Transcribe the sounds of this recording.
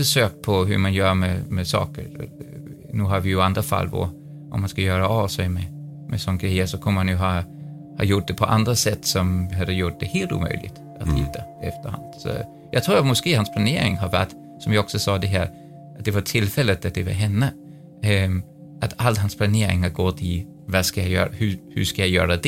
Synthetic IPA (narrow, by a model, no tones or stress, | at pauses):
fœʂøːk̚pʰɔɦɵ̰ɾmanjœːɾmɛmɛsɑ̰ːkə̰ɾ | nʉ̟ːɦaɾvɪjɵand̪ɾafa̰lːvɔ̰ | ʔɔmːanskajœːɾaɑvsɛɪmɛ | mɛsɔnːɡɾɛjːəsɔkʰɔmːəɾmanjʉɦɑ | hɑ̰ːjʊʈ̚d̪ɛpʰɔʔa̰nd̪ɾasɛt̪ːsɔmhad̪ːəjʊʈ̚d̪ɛheːlt̪ṵːmœ̰ʏlɪ̰ɡt̪ | at̪hɪ̰t̪ʰːaɛft̪əɾha̰nd̪̥sɔ̰ | jɑːɡt̪ʰɾuːɾat̪mʊskeːhanspʰlaneːɾɪ̰ŋɦaɾvæ̰ʈː | sɔmjɑɔksɔsɑːd̪ɛɦæːɾ | at̪̚d̪ɛvat̪ʰɪlːfɛlːət̪at̪̚d̪ɛvɑɾɦɛnːə | ʔat̪alt̪ɦanspʰlaneːɾɪ̰ŋhaɾɡɔt̪ʰːɪ | vaskajajœ̰ːɾahʉhʉ̰skajajœ̰ːɾad̪ɛ